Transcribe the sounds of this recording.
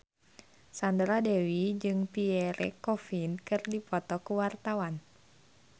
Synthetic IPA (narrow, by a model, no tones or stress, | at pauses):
sandɾadɛwid͡ʒɨŋpiɛɾɛ̰kɔfinkɨrdipɔt̪ɔkuwart̪awan